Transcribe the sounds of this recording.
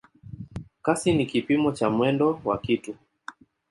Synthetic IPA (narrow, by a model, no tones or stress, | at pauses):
kasinikipimɔt͡ʃamwɛndɔwakitu